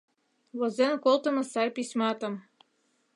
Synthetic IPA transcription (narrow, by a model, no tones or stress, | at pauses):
lɤ̆zenkolˠt̪ɤ̆mɤ̆sɑjpʲisʲmɑt̪ɤ̆m